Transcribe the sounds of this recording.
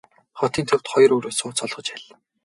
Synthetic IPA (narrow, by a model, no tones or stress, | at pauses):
χɔt̪iːnt̪ʰɵw̥t̪χɔj̆rɵːɾoːsʊːt͡sɔɮʁɞ̆t͡ɕæɮ